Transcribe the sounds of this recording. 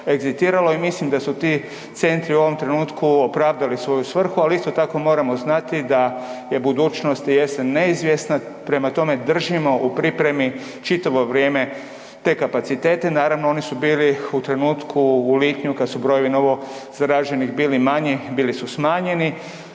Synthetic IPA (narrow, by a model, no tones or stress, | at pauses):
e̞ɡzist̪iːɾaloimislimd̪asut̪iː | t̪se̞nt̪ɾiuo̞ʋo̞mt̪ɾe̞nuːt̪kuopɾaːʋd̪alisʋo̞jusʋr̩xualist̪o̞t̪ako̞mo̞ːɾamo̞znat̪id̪aje̞bud̪uːt͡ʃno̞st̪jeseneizʋje̞sna | pɾe̞mat̪o̞me̞d̪r̩ʒimo̞ʔupɾipɾe̞mi | t͡ʃit̪aʋo̞ʋɾjeːme̞ | t̪e̞ːkapat̪sit̪e̞ːt̪e̞naːɾaʋnoo̞nisubiːliut̪ɾe̞nuːt̪kʰuːliːt̪ɲukad̪subɾo̞je̞ʋino̞ʋo̞z̥aɾaʒe̞niɣbiːlimaɲibiːlisusmaːɲe̞ni